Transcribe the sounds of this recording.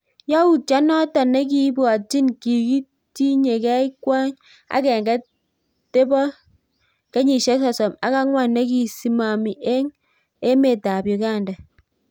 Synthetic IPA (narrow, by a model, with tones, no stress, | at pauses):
ja˦wu˦˨t̚t͡ʃa˦nɔ˦tɔ˨nːe˦k̬i˦bɔ˨a˨t͡ʃi˦nki˨ki˦ | ti˦ɲe˨kɛ˦i˦kʷwa˦ŋ | a̰˦kɛ˨ŋke˦ | te˦bɔ˦ | ke˦ɲi˨ʃe˦s̬ɔ˨sɔ˨ma˦ka˦ŋwʷa˦˨nːe˦ki˨si˦ma˨mi˨ʔe˦ŋ | e˦me˦˨ta˨bjo˨ka˦˨ndɛ˨